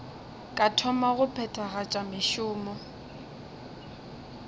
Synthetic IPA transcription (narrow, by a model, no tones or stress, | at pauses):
kʼatʰɔmaɣʊpʰɛtʰʼaɣat͡ʃʼamɪʃʊːmɔ